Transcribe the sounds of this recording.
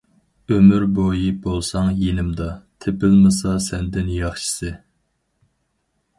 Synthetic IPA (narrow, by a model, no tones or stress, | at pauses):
ømyɾbojibolˠsɑŋjenɪmd̪ɑt̪ʰepɪlmɨsɑsɛnd̪ɪnjɑχʃi̥sɨ